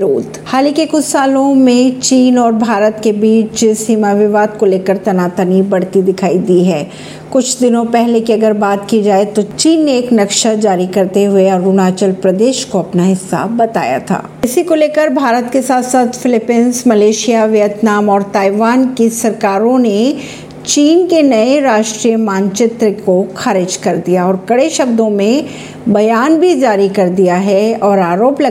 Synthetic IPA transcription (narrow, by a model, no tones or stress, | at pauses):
oːt̪haːlĩkikʊt͡ʃʰsaːlõmẽt͡ʃiːnɔːɾbʱaːɾət̪kebiːt͡ʃd͡ʒɪsiːmaʋɪʋaːd̪koleːkəɾt̪ɐnaːt̪ənibɐɽ̤t̪id̪ɪkʰaːid̪iɦɛː | kʊt͡ʃʰd̪ɪnõpɛɦlekiɐɡəɾbaːt̪kid͡ʒaːet̪ot͡ʃiːnːeːknɐkʃad͡ʒaːɾikɐɾt̪eɦʊeɔːɾʊnaːt͡ʃəlpɾɐd̪eːʃkoɐpnaɦɪsːa̰bɐt̪a̰ːja̰t̪ʰa̰ːɪsikoleːkəɾbʱaːɾət̪kesaːt̪ʰsaːt̪ʰfɪlɪpɛːnzmɐleːʃijaʋjət̪naːmɔːɾt̪aːɪʋaːnkisɐɾkaːɾõne | t͡ʃiːnkenɐeɾaːʃʈɾijəmãːnt͡ʃɪt̪ɾəkoxʰaːɾɪd͡ʒkɐɾd̪ijaɔːɾkɐɽeʃɐb̚d̪õmẽ | bɐjaːnbʱid͡ʒaːɾikɐɾd̪ijaɦɛɔːɾaːɾoːplɐ